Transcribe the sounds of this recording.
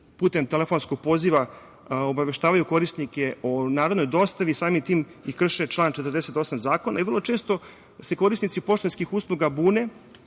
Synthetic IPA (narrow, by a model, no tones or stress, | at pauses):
puːt̪e̞mt̪elefo̞nskoɡ̚po̞ziʋa | obaʋe̞ʃt̪aːʋajuko̞ɾisnikeonaːɾod̪nojd̪o̞st̪aʋisaːmimt̪iːmikr̩ʃet͡ʃlˠaːnt͡ʃet̪ərd̪eset̪o̞samzaːko̞na̰iʋr̩lˠo̞t͡ʃe̞ːst̪o̞ | se̞ko̞ɾisnit̪sipo̞ʃt̪onskixuːslˠuɡabuːne